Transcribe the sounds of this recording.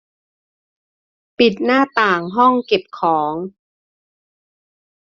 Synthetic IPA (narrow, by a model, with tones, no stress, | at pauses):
pi˨˩t̪̚naː˥˩t̪aː˨˩ŋɦɔ˥˩ŋke˨˩p̚kʰɔː˩˦ŋ